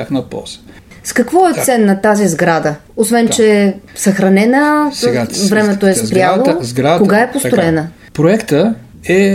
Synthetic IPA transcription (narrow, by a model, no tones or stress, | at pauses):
axnəpɔ̰zə̥ | skɐkvɔɛt̪sɛnːɐt̪azizɡɾad̪əosvɛnt͡ʃɛsɐxɾɐnɛnəsɡavɾɛmɛt̪oɛspɾjaozɡɾakoɡaɛpost̪ɾoɛnə | pɾoɛkt̪ə | ɛ